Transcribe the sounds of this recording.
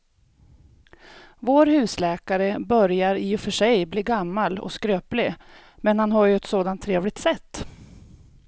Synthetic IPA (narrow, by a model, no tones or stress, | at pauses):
voːɾhʉ̟ːslɛːkaɾəbœɾjaɾɪɔfœʂɛjbliːɡamːalɔ̰skɾøːplɪ | mɛnhanɦaɾjɵɛt̪soːd̪ant̪ʰːɾeːvlɪk̚t̪sɛt̪ː